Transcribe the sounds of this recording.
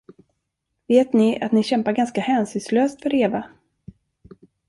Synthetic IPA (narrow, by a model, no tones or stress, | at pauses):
veːt̪nɪa̰t̪nɪɕɛmpaɾɡanskahɛːnsʏːnsløːst̪fœɾeːva